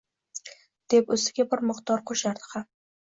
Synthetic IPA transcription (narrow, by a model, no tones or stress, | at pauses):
d̪̥e̞pɵsɪɡʲabɪɾmɨqt̪ɒɾqʰoʃaɾd̪ɪ̥ham